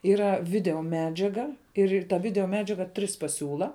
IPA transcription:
ˈiːrɐ ˈʋʲɪdʲɛoːˈmʲæːd͡ʒʲɛɡɐ ɪr ɪr tɐ ˈʋʲɪdʲɛoːˈmʲæːd͡ʒʲɛɡɐ ˈtʲrʲɪs pɐˈsʲuːlˠɐ

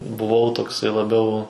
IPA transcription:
bʊˈʋɐʊ toːkˈsɐɪ lˠɐˈbʲɛʊ

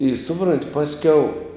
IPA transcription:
ɪ ˈsʊproːnʲtʲ ˈpɑːsʲkʲɛʊ

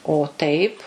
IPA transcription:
oː tɐɪp

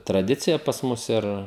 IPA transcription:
trɐˈdʲɪt͡sʲɪjɛ pɐs ˈmʊs ˈɪr

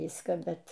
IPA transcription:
ˈʋʲiːskɑː ˈbʲɛt

